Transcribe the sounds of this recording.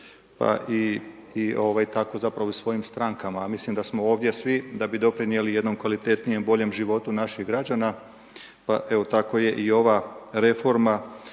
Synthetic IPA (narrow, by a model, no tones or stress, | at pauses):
pa̰ʔiː | o̞ʋajt̪ako̞zapɾaʋousʋo̞jimst̪ɾaŋkamamislimd̪asmo̞o̞ːʋd̪je̞sʋid̪abid̪o̞pɾinije̞lije̞d̪no̞mkʋalit̪e̞t̪nije̞mbo̞ʎe̞mʒiʋo̞t̪unaʃiɣɡɾad͡ʑaːna | paʔe̞ʋo̞t̪ako̞je̞ʔio̞ʋaɾe̞fo̞ɾma